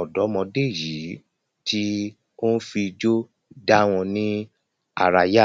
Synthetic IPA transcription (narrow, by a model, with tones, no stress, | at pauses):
ɔ˨dɔ˨˦mɔ̃˧de˦˨ji˨˦ | ti˦ | o˦n̩˦fi˧d͡ʒo˦ | da˦w̃ɔ̃˧nĩ˦ | a̰˦˨ɾa˧ja˦